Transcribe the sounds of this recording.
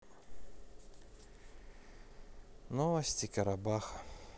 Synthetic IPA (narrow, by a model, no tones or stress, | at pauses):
nɔvɐsʲtʲɪkɐɾɐbaxɐ